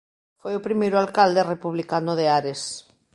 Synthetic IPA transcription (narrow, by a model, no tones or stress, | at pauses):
fojʊpɾimejɾʊalkald̪erepuβlikanʊðeaɾes